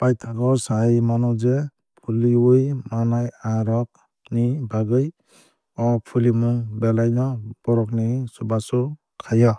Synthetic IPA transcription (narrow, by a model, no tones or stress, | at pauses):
pajtʰaɡɔɾsajmanɔd͡ʒe | pʰuliɯjmanajaɾɔk̚ | nibaɡɯj | ɔpʰulimuŋbɛlajnɔb̥ɔɾɔk̚nisubasɔ | kʰajɔ